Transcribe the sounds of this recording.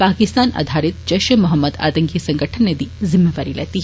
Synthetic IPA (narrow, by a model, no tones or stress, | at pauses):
paːkist̪aːna̰d̪ʱaːɾit̪d͡ʒɐʃɐmʊɦɐmːəd̪a̰ːt̪ɐŋkisɐŋɡəʈʰənːed̪izimːeʋaːɾilɛ̰ːt̪iɦ